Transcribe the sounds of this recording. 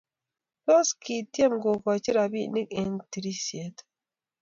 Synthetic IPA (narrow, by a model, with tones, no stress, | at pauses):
pɔ˦ski˨tje˦mɡo˨ka˨t͡ʃi˦ɾa˨bi˦ni˦ke˨nti˨ɾi˦si˨e˨t